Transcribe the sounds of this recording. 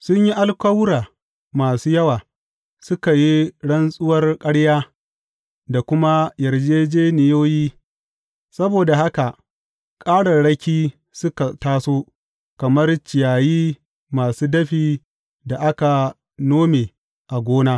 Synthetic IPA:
sʊ˦ɲji˦ʔa˦lkʷɐ˦wʊ˦ɽaː˨ | maː˨suː˦jɐ˦waː˨ | sʊ˦ka˨ji˦ɽɐ˦nsʼʊ˦wɐ˦rkʼɐ˦ɽjaː˦ | da˨kʷʊ˦ma˦jɐ˨rd͡ʒeː˦d͡ʒeː˦nɪ˨joː˦jiː˦ | sɐ˦boː˨da˨ha˦ka˨ʔ | kʼaː˦ɽɐ˨ɽɐ˦kʲiː˦ | sʊ˦ka˨taː˦soː˦ | kɐ˨mɐ˦rt͡ʃɪ˨jaː˨jiː˦ | maː˨suː˦dɐ˦ɸiː˦˨ | da˨ʔa˦ka˨ | noː˦meː˨ | ʔa˨ɡʷoː˦naː˦

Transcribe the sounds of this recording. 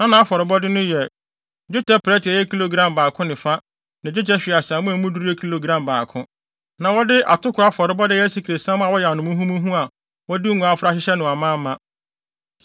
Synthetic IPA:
nã˦nã˨a˦fɔ˨ɾɪ˨bɔ˦dɪ˦nʊ̃˦jɛ˨ | d͡ʑᶣʊ˦tɛ˦pʰɾɛ˦tɪ˨ɛ˨jɛ˦kʰi˦lo˨ɡɾã˦mbaː˨kʰʊ̃˦nɪ̃˨fa˦ | nã˨d͡ʑᶣʊ˦tɛ˦ɕᶣi˨a˨sã˨mʊ̃˦æ˨˦mũ˦du˦ɾi˦ɛ˦kʰi˦lo˨ɡɾã˦mbaː˨kʰʊ̃˦ | nã˨wɔ˦dɪ˦ʔa̰˨tʊ˦kʰʊ˨˦a˦fɔ˨ɾɪ˨bɔ˦dɪ˦jɛ˦si˨kʰi˨ɾe˨sã˦m˦a˨wɔ˦jɛ˨a˨nʊ̃˨mʊ̃˦ɦũ˦mũ˦ɦũ˦a˨ | wɔ˦di˦ŋ̃ʷ˨a˦fʊ˦ɾa˦ɕɪ˦ɕɛ˦nʊ̃˨a˨mãː˦mã˦

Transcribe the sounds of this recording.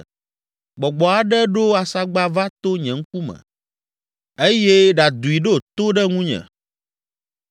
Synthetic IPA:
ɡ͡bɔ˨ɡ͡bɔ˨a˨ɖɛ˦ɖo˦a˨sa˦ɡ͡ba˦va˦t̪o˦ɲɛ̃˨ŋ̩˦k̚u˦mɛ̰̃˨ | e˦je˦ɖa˨d̪u˨i˨ɖo˦˨t̪o˦ɖɛ˦ŋũ˦ɲɛ̰̃˨

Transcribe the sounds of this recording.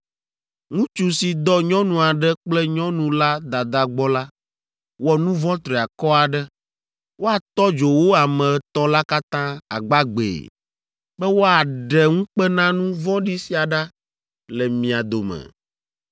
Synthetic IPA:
ŋũ˦t͡ʃu˦si˨d̪ɔ˦ɲɔ̃˦nũ˨a˨ɖɛ˦k͡plɛ˦ɲɔ̃˦nũ˨la˦d̪a˨d̪a˨ɡ͡bɔ˦la˦ | wɔ˦nũ˦vɔ̃˦t̪ɾɛ˨a˨kɔ˦a˨ɖɛ˦ | wo˦a˨t̪ɔ˦d͡ʒo˨wo˦a˨mɛ̃˨t̪ɔ̃˦la˦ka˦t̪ã˦a˨ɡ͡ba˦ɡ͡bḛ˨ | bɛ˦wo˦a˨ɖɛ˨ŋũ˦k͡pɛ˦nã˦nũ˦vɔ̃˦ɖi˦si˦a˨ɖa˦ | lɛ˨mĩ˨a˨d̪o˨mɛ̰˨

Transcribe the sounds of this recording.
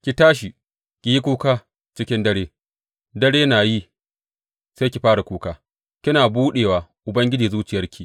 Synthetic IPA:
kʲi˨taː˦ʃ̬i˨ | kʲi˨ji˦kʷuː˦kaː˦ | t͡ʃɪ˦kʲɪ˦ndɐ˦ɽeː˦ | dɐ˦ɽeː˦naː˨ji˦ | seː˦kʲi˨ɸaː˦ɽa˨kʷuː˦kaː˦ | kʲɪ˦naː˨buː˦ɗeː˨waː˨ʔʊ˨bɐ˦ŋɡʲɪ˦d͡ʒiː˨zuː˦t͡ʃɪ˨jɐ˦rkʲiː˨

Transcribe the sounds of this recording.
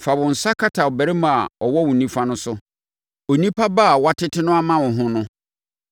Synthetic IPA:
fa˨bʊ̃˨n̩˨sa˦kʰa˦tʰa˨ɔ˨bæ˨ɾɛ˦mã˨a˨ɔ˨wɔ˦wʊ̃˨nĩ˦fa˦nʊ̃˦sʊ˦ | o˨nĩ˦pʰa˦ba˦˨wa˦tʰɪ˦tʰɪ˦nʊ̃˦a˦mã˦wʊ̃˨ɦʊ̃˦nʊ̃˦

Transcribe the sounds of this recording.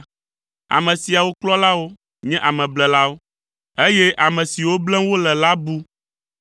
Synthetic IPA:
a̰˨mɛ̃˨si˨a˨wo˦klɔ˦la˦wo˦ | ɲɛ̃˦ʔa˨mɛ̃˨blɛ˨la˦wo˦ | e˦jɛ˦ʔa˨mɛ̃˨si˨wo˦blɛ˦wo˦lɛ˨la˦bu˦

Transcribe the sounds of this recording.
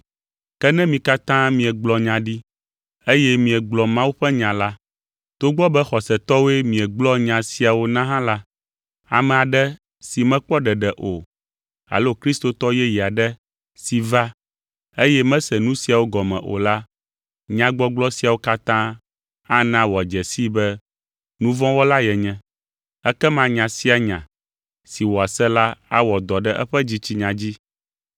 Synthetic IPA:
kɛ˦nɛ̃˦mĩ˨ka˦t̪ã˦mĩ˨ɛ˨ɡ͡blɔ˨ɲã˨ɖi˦ | e˦jɛ˦mĩ˨ɛ˨ɡ͡blɔ˨mã˦wu˦ɸɛ˦ɲã˨la˦ | t̪o˦ɡ͡bɔ˦bɛ˦xɔ˨sɛ˨t̪ɔ˦wo˦e˦mĩ˨ɛ˨ɡ͡blɔ˦ɲã˨si˨a˨wo˦nã˦ɦã˦la˦ | a̰˨mɛ̃˨a˨ɖɛ˦ | si˨mɛ̃˦k͡pɔ˦ɖɛ˨ɖɛ˨ʔo˨ | a̰˨lo˦kɾi˦st̪o˨t̪ɔ˦jɛ˦ji˨a˨ɖɛ˦ | si˨va˦ | e˦jɛ˦mɛ̃˦sɛ˨nũ˦si˨a˨wo˦ɡɔ˨mɛ̰̃˨ʔo̰˨la˦ | ɲã˦ɡ͡bɔ˦ɡ͡blɔ˦si˨a˨wo˦ka˦t̪ã˦ | a˦nã˦wɔ˨a˨d͡ʒɛ˨si˦bɛ˦ | nũ˦vɔ̃˦wɔ˦la˦jɛ˨ɲɛ̃˨ | ɛ˦kɛ˦mã˦ɲã˨si˦a˨ɲã˨ | si˨wɔ˨a˨sɛ˦la˦a˦wɔ˨d̪ɔ˨ɖɛ˦ʔɛ˦ɸɛ˦d͡ʑi˦t͡ɕi˦ɲã˨d͡ʑi˦

